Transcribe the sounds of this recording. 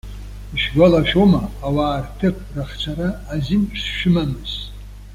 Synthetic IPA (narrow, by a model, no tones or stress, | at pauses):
iʃɡʷalaʃᶣomaːwaːrtʰɨpʰʼraχt͡ʃʷʰaɾaːzint͡ʃʰʂʃᶣɪmamɨz̥